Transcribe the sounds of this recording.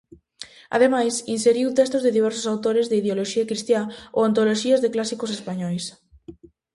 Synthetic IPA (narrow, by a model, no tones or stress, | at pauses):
a̰ð̞emajsinseɾiwt̪ɛst̪ozðɪðiβ̞ɛɾso̥sawt̪oɾezðeiðeoloʃiakɾist̪jao̰ant̪oloʃiɐzðeklasikosespaɲɔjs